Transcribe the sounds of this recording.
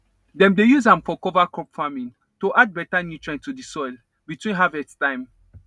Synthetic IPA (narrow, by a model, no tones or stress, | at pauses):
dɛ̃mdejuzãmfɔkɔvakɹɔpfamĩn | toʔad̚bɛtanutɹɛ̃ntudisɔjl | bitwĩnɦavɛttãɪ̃m